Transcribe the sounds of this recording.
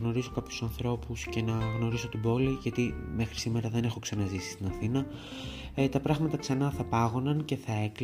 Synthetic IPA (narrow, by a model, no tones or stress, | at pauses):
no̞ɾiso̞kɐpçu̥sɐnθɾo̞pusce̞nɐɣno̞ɾiso̞t̪ibo̞liʝɐt̪ime̞xɾisime̞ɾɐðe̞ne̞xo̞ksɐnɐzisi̥st̪inɐθinɐ | t̪ɐpɾɐɣmɐt̪ɐksɐnɐθɐpɐɣo̞nɐnce̞θɐe̞kl